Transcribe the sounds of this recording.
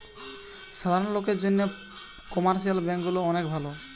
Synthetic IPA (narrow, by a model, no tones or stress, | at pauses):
ʃad̪ʱaɾnlokeɾd͡ʑonːe | kɔmaɾʃ̬ialbɛŋkɡuloɔnekbʱalo